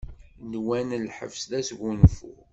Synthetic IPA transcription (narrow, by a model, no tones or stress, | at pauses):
nwænlħə̰vsðæsɡunfṵ